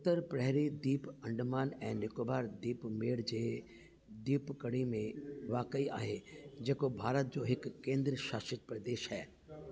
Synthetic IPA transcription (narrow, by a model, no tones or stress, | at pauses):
ʊt̪ːəɾpɾɛɦɾid̪iːpɐ̃ɳɖmaːnɛ̃ːnɪkobaːɾd̪iːpmeːɽd͡ʑeː | d̪iːpkɐɽimẽʋaːkəia̰ːɦed͡ʑeːkobʱaːɾət̪̚d͡ʑoːɦɪkːẽːnd̪ɾəʃaːʃɪt̪̚pɾɐd̪eːʃɦɛː